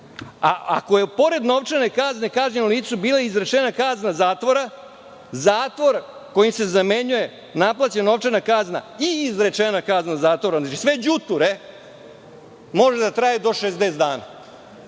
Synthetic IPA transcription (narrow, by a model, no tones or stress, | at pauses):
aa̰koje̞po̞ɾe̞d̪no̞ʋt͡ʂane̞kazne̞kaʒɲenuliːt̪subiːlˠaizɾe̞t͡ʃenakaznazaːt̪ʋoɾa | zaːt̪ʋoɾko̞jimse̞zameɲuje̞ | naplat͡ɕeno̞ʋt͡ʂanakaznaiːzɾe̞t͡ʃenakaznazaːt̪ʋoɾaznat͡ʃisʋe̞d͡ʑut̪uɾe̞ | mo̞ʒed̪at̪ɾaːjed̪o̞ʃezd̪ezd̪aːna̰